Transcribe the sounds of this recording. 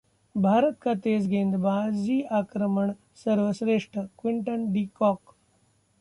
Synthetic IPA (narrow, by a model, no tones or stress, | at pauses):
bʱaːɾət̪̚kɐt̪eːs̬ɡeːnd̪baːd͡ʒiːʔaːkɾəməɳ | səɾʋəsɾeːʂʈʰəkʋiɳʈənɖikɔːk